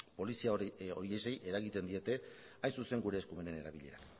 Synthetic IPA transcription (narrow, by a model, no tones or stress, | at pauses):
po̞lisiao̞̰ɾie̞se̞jʔe̞ɾaɣit̪e̞nd̪ie̞t̪e̞ | ajnsuse̞ŋɡuɾe̞ːskume̞ne̞ne̞ɾaβ̞iʎe̞̰ɾa̰k